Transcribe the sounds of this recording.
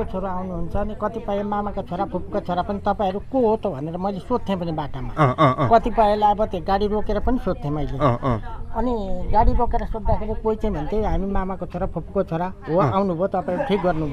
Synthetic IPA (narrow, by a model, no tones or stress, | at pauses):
ot͡sʰoɾaawnuɦunt͡sʰʌːnikʌt̪ipajemamakot͡sʰoɾapʰop̚kot͡sʰoɾapʌnit̪ʌpaĩʌɾukoɦot̪ʰobʱʌneɾʌmʌjlesod̪̚ʰẽpʌnibaʈamakʌt̪ipaelajʌbʌt̪eɡaɽiɾokeɾʌpʌnisod̪̚t̪ʰẽmʌjle | ʌniɡaɽiɾokeɾʌsod̪ːakʰebokojt͡saj̃bʱʌnt̪ʰeɦamimamakot͡sʰoɾapʰopkot͡sʰoɾaɦoawnubʱot̪ʌpaĩɾuʈʰik̚ɡʌrnubʱo